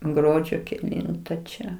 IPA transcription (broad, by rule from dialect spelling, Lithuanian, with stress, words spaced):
ˈɡruɔd͡ʒʲoː kʲɛˈlʲɪntɐ t͡ʃʲɛ